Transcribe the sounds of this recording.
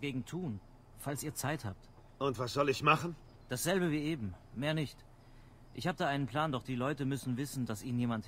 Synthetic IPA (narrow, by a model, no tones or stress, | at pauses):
ɡeːɡŋ̩tʰuːn | falsiːɐt͡saɪthaːp̚t | ʔʊntv̥asz̥ɔlɪçmaχn̩ | d̥asz̥ɛlbəviːeːbm̩meːɐnɪçt | ʔɪ̰çhaːbəd̥aːʔaɪnənpl̥aːndɔχd̥iːlɔʏtəmʏsn̩vɪsn̩dasʔiːnənjeːmant